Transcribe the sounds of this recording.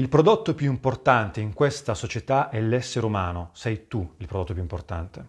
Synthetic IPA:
ilpɾod̪ot̪ːopjuimport̪ant̪eiŋkwest̪asot͡ʃet̪aʔɛlɛsːeɾumaːnosɛjt̪uilpɾod̪ot̪ːopjuimport̪a̰nt̪e

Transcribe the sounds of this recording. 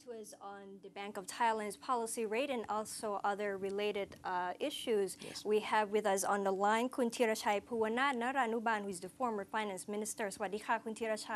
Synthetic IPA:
tuʌznn̩ðɨbæ̃ŋkʌv̥tʰaɪlɨ̃ndz̥pʰɑlˠəsiɹeɪɾɨ̃nɔlˠsoʊʔʌðə˞ɹɨleɪɾɪdɪʃʉzwiɨvwɨðʌsn̩ðəlãɪ̃nkʰũntʰiɾaʃajpʰuənadnəɾanubãnhuzðɨfɔɹmə˞fãɪ̃næ̃nsmɪ̃nɨstə˞swadixakʰũntʰiɾaʃa

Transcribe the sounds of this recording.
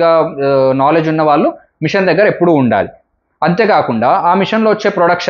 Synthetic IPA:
ɡaːnaːle̞d͡ʒunːɐʋaːɭːu | miʂɐnd̪ɐɡːɐɾɐe̞pːuɽuːɳɖa̰ːli | ɐnt̪e̞ːkaːkuɳɖaːaːmiʂɐnlo̞ːʋɐt͡ʃːe̞ːpɾoɽɐkʂ

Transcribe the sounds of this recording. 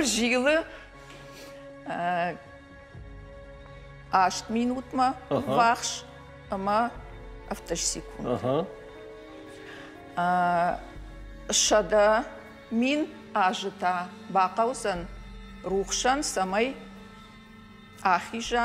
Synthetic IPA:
rʒijlɨ | aːʃtminutʰmɐvaχʃ | əmɐ | aftʰoʃsekʷʰuna | ʃɐdɐ | min | aːʒɨtʰa | baːqɑwzɐn | ruχʃɐnsɐmɐj | aːχʲiʒa

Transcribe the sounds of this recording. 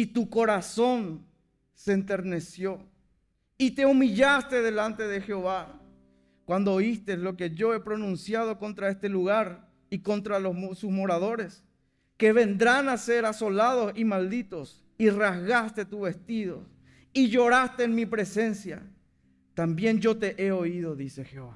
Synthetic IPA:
it̪ukoɾasõ̞n | seeːnt̪eɾne̞sjo̞ | it̪e̞umiʎast̪eðe̞lant̪e̞ðexeoβa | kwand̪oːist̪eslo̞keʝoe̞pɾonũnsjað̞o̞ko̞nt̪ɾaest̪eluɣaɾ | iko̞nt̪ɾalosusmoɾaðo̞ɾes | keβe̞nd̪ɾanaseɾaso̞laðosimald̪it̪o̞s | irazɣast̪e̞t̪uβest̪iðo̞̰ | iʝoɾast̪eːnmipɾe̞se̞nsja̰ | t̪ambjẽnd͡ʒo̞t̪e̞ʔeoið̞o̞ðise̞xeoβa

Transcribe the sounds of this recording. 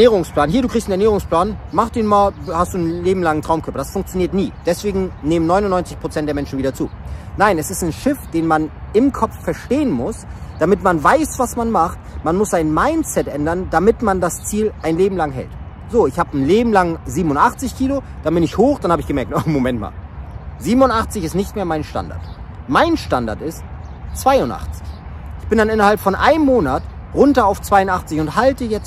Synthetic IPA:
ɐneːʁʊŋspl̥aːnɦiːɐduːkʁiçstn̩ɛɐneːʁ̞ʊŋspl̥aːnmaχtiːnmaːlhastd̥uːnleːbm̩laŋəntʁ̥aʊmkʰœɐpɐd̥asfʊŋkt͡sjoniːɐtniːd̥ɛsv̥eːɡŋ̩neːmənɔʏnʊnɔʏnt͡sɪçpʁ̥ot͡sɛnt̚deːɐmɛnʃn̩viːdɐt͡sṵːnaɪnɛsɪstɪnʃɪfd̥eːnmanɪmkʰɔp͡ffɛɐʃteːənmʊsd̥amɪtmanvaɪsv̥asmanmaχtmanmʊsaɪnmaɪnt͡sɛtʔɛndɐndamɪtmandast͡siːlʔaɪnleːbm̩laŋɦɛ̰lt | z̥oːɪçhaːbnleːbm̩laŋziːbm̩ʊntʔaχt͡sɪçkʰiːlod̥abɪnɪçhoːxd̥anhaːbɪçɡ̥əmɛɐk̚tomomɛntma̰ːlziːbm̩ʊntʔaχt͡sɪçɪstnɪçtmeːɐmaɪnʃta̰nda̰ɐt | maɪnʃtanda̰ɐtɪst | t͡sv̥aɪʊntʔa̰χt͡sɪ̥çʔɪçb̥ɪndanʔɪnɐhalpfɔnʔa̰ɪnmːoːnat | ʁʊntɐaʊft͡sv̥aɪʊntʔaχt͡sɪçʊnthaltəjɛt͡s

